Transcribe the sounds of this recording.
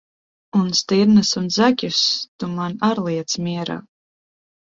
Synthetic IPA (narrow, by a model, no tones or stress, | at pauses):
unst̪iɾnɨsund̪zakʲust̪umanaɾlˠiɛt̪smʲiɛɾa̰